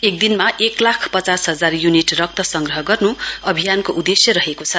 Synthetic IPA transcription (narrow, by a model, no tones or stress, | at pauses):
ek̚d̪inmaʔeklakʰpʌt͡sasɦʌd͡zarjuniʈrʌk̚t̪ʌsʌŋɡrʌɦʌɡʌrnuʌbʱijankoʔud̪esjʌɾʌɦekot͡sʰʌ